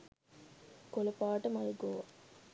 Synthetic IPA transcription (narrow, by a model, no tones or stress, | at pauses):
kolɐpaːʈəmɐjuɡoːʋɐ